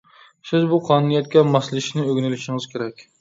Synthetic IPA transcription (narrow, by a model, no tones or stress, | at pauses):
sɪzbuqʰɑːnunijɛt̪̚kʲɛmɑslˠɪʃnɪøɡʲnɪlɪʃiŋɨz̥kʲʰeɾɛkʲ